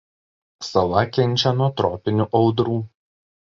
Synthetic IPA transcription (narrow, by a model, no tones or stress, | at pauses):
sɐlˠɐkʲɛnʲˑt͡ʃʲɛnuɔt̪ɾɔːpʲɪnʲuʔɒʊd̪ɾuː